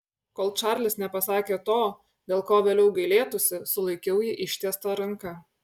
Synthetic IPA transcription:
koːlˠt͡ʃɑˑɾʲlʲɪsnʲɛpɐsɑːkʲeːt̪oː | d̪ʲeːlˠkoːʋʲeːlʲɛʊɡɐɪlʲeːt̪ʊsʲɪsʊlˠɐɪkʲɛʊjɪʔɪʃʲt̪ʲeːst̪ɐɾɐŋˑkɐ

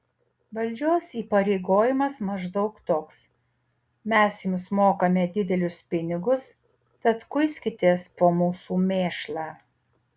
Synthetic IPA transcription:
ʋɐlʲˑd͡ʒʲoːsiːpɐɾʲɛɪɡoːjɪmɐsmɐʒd̪ɒʊkt̪oːks | mʲɛsjʊmsmoːkɐmʲɛd̪ʲɪd̪ʲɛlʲʊspʲɪnʲɪɡʊs | t̪ɐt̪kʊɪsʲkʲɪt̪ʲeːspoːmuːsuːmʲeːʃlˠɑː

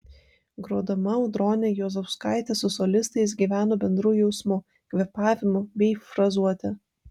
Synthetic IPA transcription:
ɡɾoːd̪ɐmɐʊd̪ɾoːnʲɛjoːzɛfskɑˑɪt̪ʲɛsʊsɔlʲɪst̪ɐɪs̬ɡʲiːʋʲæːnoːbʲɛnd̪ɾuːjɛʊsmʊ | kʋʲɛpɑːʋʲɪmʊbʲɛɪfɾɐzuɔt̪ʲɛ

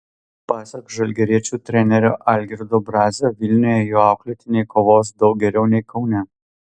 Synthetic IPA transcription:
pɑːsʲɛkʒɐlʲɡʲɛɾʲiɛt͡ʃʲuːt̪ʲɾʲɛnʲɛɾʲo̰ːʔɐlʲɡʲɛɾd̪obɾɑːzʲɛʋʲɪlʲnʲoːjɛjoːɑˑʊklʲɛt̪ʲɪnʲeɪkoːʋoːs̬d̪ɒʊɡʲɛɾʲɛʊnʲɛɪkɒʊnʲɛ

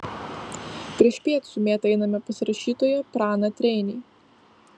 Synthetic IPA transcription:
pʲɾʲiɛʃpʲiɛt̪sʊːmʲeːt̪ɛɪnɐmʲɛpɐsʲɪɾɐʃʲiːt̪oːjɛpɾɑːnɐt̪ʲɾʲɛɪnʲeː

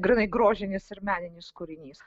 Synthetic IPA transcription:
ɡɾʲɪnɐɪɡɾoːʒʲɪnʲɪsɪɾmʲæːnʲɪnʲɪskʊɾʲɪnʲiːs

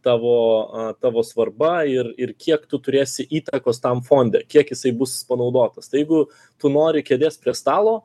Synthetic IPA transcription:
t̪ɑːʋoːɐt̪ɑːʋoːsʋɐrbɐɪrɪrkʲiɛkt̪ʊt̪ʊɾʲeːsʲɪʔiːt̪ɐkoːst̪ɐmfoːnʲd̪ʲɛkʲiɛkjɪsɐɪbʊsʲɪspɐnɐʊd̪oːt̪ɐst̪ɐɪjɛɪɡʊ | t̪ʊnoːɾʲɪkʲeːd̪ʲeːsʲpʲɾʲiɛst̪ɑːlˠoː

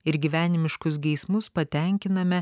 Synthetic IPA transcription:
ɪɾɡʲiʋʲæːnʲɪmʲɪʃkʊsɡʲɛɪsmʊspɐt̪ʲɛˑŋʲkʲɪnɐmʲɛ

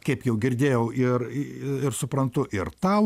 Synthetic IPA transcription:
kɐɪpjɛʊɡʲɪɾʲd̪ʲeːjɛʊʔɪrɪrsʊpɾɐnt̪ʊʔɪrt̪ɐʊ

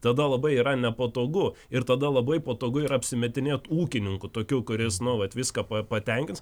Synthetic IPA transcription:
t̪ɐd̪ɐlˠɐbɐɪiːɾɐnʲɛpɐt̪oːɡʊ | ɪɾt̪ɐd̪ɐlˠɐbɐɪpɐt̪oːɡʊɪɾɐɐpʲsʲɪmʲɛt̪ʲɪnʲeːt̪uːkʲɪnʲɪŋkʊt̪oːkʲuːkʊɾʲɪsnʊʋɐt̪ʋʲɪskɐpɐpɐt̪ʲɛŋʲkʲɪns

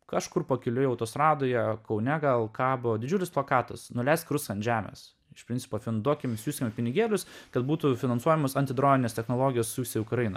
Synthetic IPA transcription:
kɑʃkʊrpɐkʲɪlʲʊjɐʊt̪oːsɾɑːd̪oːjɛkɐʊnʲɛɡɐlˠkɑːbod̪ʲɪd͡ʒʲʊlʲɪsplˠɐkɑːt̪ɐsnʊlʲɛɪst̪kɾʊsɐnʲʒʲæːmʲɛ̰ːs | ɪʃpʲɾɪnʲt͡s̪ʲsʲɪ̥poːfʲɪnd̪uɔkʲɪmsʲuːsʲkʲɪmʲpʲɪnʲɪɡʲeːlʲʊskɐt̪buːt̪ʊfʲɪnɐnsuɔjɛmosɐnt̪ʲɪd̪ɾoːmʲɪnʲeːst̪ʲɛxnoːlˠoːɡʲɪjoːssʲuːsʲɛjʊkɾɐɪnɐ

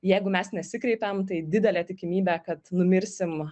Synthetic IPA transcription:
jɛɪɡʊmʲɛsnʲɛsʲɪkɾʲɛɪpʲɛmt̪ɐɪd̪ʲɪd̪ʲɛlʲæːt̪ʲɪkʲɪmʲiːbʲækɐt̪nʊmʲɪɾʲsʲɪm

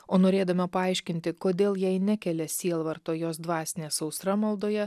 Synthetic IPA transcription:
oːnoːɾʲeːd̪ɐmʲɐpɐɐɪʃʲkʲɪnʲt̪ʲɪkoːd̪ʲeːlˠjɛɪnʲækʲɛlʲɛsʲiɛlˠʋɐɾt̪oːjoːsd̪ʋɑːsʲnʲeːsɒʊsɾɐmɐlˠd̪oːjɛ

